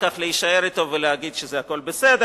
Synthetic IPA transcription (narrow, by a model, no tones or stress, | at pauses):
kaχleiʃae̞ɾit̪o̞veleaɡid̪ʃezeako̞lbesed̪